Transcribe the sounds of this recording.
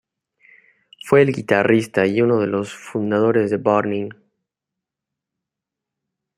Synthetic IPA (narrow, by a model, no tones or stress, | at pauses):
fwe̞ːlɡit̪arist̪aiunoðe̞lo̞sfund̪aðo̞ɾezðe̞baɾnĩŋ